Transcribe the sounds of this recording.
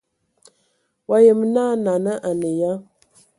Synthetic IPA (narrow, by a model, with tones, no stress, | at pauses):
wa˨jə˨m˦na˦na˨nə˦ʔa˨nə˨ja˦